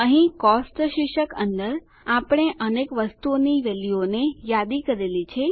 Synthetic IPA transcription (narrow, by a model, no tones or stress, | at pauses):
əɦĩkɔsʈʃiʃəkə̰nd̪əɾ | apɽ̃eʔənekʋəst̪uoniʋelionejad̪ikəɾelit͡ʃʰe